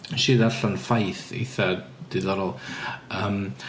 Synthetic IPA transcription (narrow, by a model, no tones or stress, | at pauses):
ʃiːðaɬɔnfajθḛjθad̥ɪðɔɾɔlˠəm